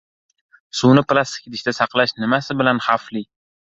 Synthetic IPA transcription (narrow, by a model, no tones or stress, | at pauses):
suwnɪplˠast̪ɪ̥kʲid̪ɪʃd̪asɑqlˠaʃnɪmasɪbɪlanχafli